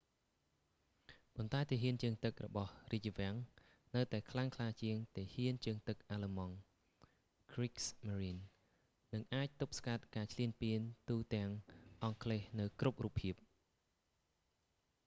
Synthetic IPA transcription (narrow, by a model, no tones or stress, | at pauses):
pont̪aɛt̪eɦiənt͡ɕɨəŋt̪ɨk̚rɔ̰ɓɑhriəc̚t͡ɕəʋɛ̆əŋ | nɨwt̪aɛkʰlaŋkʰlaːt͡ɕiəŋt̪ehiənt͡ɕɨəŋt̪ɨk̚ʔaːləmɑŋ | kriksmaɾiːn | nɨŋʔaːc̚t̪up̚skat̪̚kaːt͡ɕʰliənpiənt̪uːt̪ɛ̆əŋʔɑŋkʰleːhnɨwkrup̚ruːpʰːiəp̚